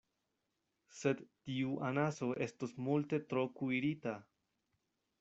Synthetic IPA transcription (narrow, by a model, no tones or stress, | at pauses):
se̞dtiuʔanaso̞ʔe̞stosmulte̞tɾo̞kuiɾita